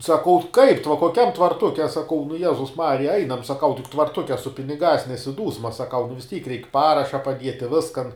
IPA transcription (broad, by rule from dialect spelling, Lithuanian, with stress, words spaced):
sɐˈkɐʊ kɐɪp tʋ koːˈkʲɛm tʋɐrˈtʊkʲɛ ɐ sɐˈkɐʊ nʊ ˈjæːzʊs ˈmɑːrʲɪjɛ ˈɐɪnɐm sɐˈkɐʊ tʲɪk tʋɐrˈtʊkʲɛ sʊ pʲɪnʲɪˈɡɑːs nʲɛsʲɪˈduːsmɐ sɐˈkɐʊ nʊ ʋʲɪs ˈtʲiːk rʲɛɪk ˈpɑːrɐʃɐ pɐˈdʲiɛtʲɪ ˈʋʲɪskɐn